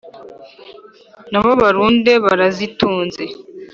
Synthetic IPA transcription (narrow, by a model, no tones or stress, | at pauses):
naβo̞βaɾuːnde̞βaɾazituːnze̞